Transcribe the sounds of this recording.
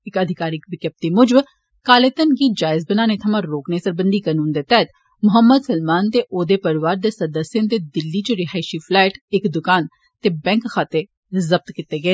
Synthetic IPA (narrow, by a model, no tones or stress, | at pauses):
ɪkəd̪ʱɪkaːɾɪkʋɪkəp̚t̪iːmʊd͡ʒəb | kaːleːt̪ənɡiːd͡ʒaːɪzbənaːnet̪ʰɐmãːɾoːkneːsəɾbənd̪iːkəːnũːnd̪eːt̪ɛːt̪ | mʊɦəmːəd̪səlmaːnt̪eːʔoːd̪eːpəɾɪʋaːɾd̪eːsəɾd̪əsjə̃nt̪eːd̪ɪlːiːt͡ʃəɾɪɦaːɪʃiːpʰlɛːɪʈɪkd̪ʊkaːn | t̪eːbɛ̃ŋkʰːaːt̪e | zəb̚t̪kɪt̪eːɡɐeː